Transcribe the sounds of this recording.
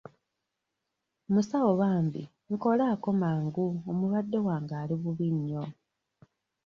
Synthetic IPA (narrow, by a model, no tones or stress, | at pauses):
musawoβaːmbḭ | ŋ̩ko̞laːko̞maːŋɡuomuβadːewaːŋɡaːliβuβiɲːo̞